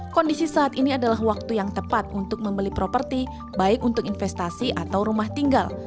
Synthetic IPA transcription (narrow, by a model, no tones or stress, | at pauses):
kɔndisisaːt̪iniadalaɦwak̚t̪ujaŋt̪əpat̪̚unt̪ʊk̚məmbəlipɾopərt̪i | baɪkunt̪ʊkinfɛst̪asiʔat̪awɾumaht̪iŋɡal